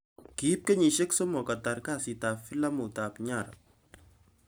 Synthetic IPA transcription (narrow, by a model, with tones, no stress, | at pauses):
ki˨˦p̚ke˦ɲi˨ʃe˦kso˦mɔ˨ka˨ta˨ɾka˦˨si˨tafi˦la˦mu˨ta˨pɲa˨ɾa̰˨